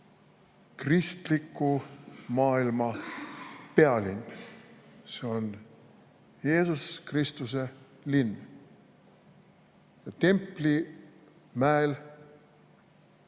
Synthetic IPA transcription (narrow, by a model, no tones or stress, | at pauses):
krist̪likːumɑːilmɑ | pe̞ɑlinː | se̞on | je̞ːsuskrist̪use | linː | jɑt̪e̞mpli | mæel